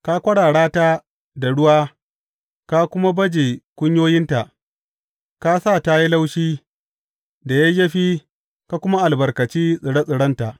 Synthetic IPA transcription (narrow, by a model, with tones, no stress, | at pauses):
ka˦kʷɐ˦ɽaː˨ɽaː˦ta˦ | da˨ɽʊ˦waː˦ | ka˦kʷʊ˦ma˦bɐ˦d͡ʒeː˨kʷʊ˦ɲjoː˦jɪ˦nta˨ʔ | ka˦sa˦˨ta˦ji˦la˦wʃiː˦ | da˨ja˦jɐ˦ɸiː˦ | ka˦kʷʊ˦ma˦ʔa˨lbɐ˨rkɐ˨t͡ʃiː˦sʼɪ˨ɽɐ˦sʼɪ˨ɽɐ˦nta˨ʔ